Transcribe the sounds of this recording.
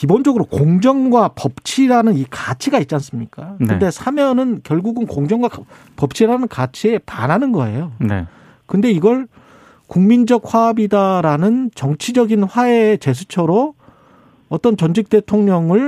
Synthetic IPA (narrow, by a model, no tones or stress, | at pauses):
kibond͡ʑʌɡɯɾokoŋd͡ʑʌŋɡwapʌp̚t͡ɕʰiɾanɯnikat͡ɕʰiɡait̚t͡ɕ͈ans͈ɯmɲik͈ankɯnde̞sʰamjʌnɯnkjʌɭɡuɡɯnkoŋd͡ʑʌŋɡwa | pʌp̚t͡ɕʰiɾanɯnkat͡ɕʰie̞panɦanɯnɡʌe̞jonḛ | kɯnde̞iɡʌɭ | kuŋmind͡ʑʌk̚ɸwabidaɾanɯnt͡ɕʌŋt͡ɕʰid͡ʑʌɡinɸwaet͡ɕe̞s̬ʰut͡ɕʰʌɾo | ʌt͈ʌnt͡ɕʌnd͡ʑʰik̚t͈e̞tʰoŋɲʌŋɯɭ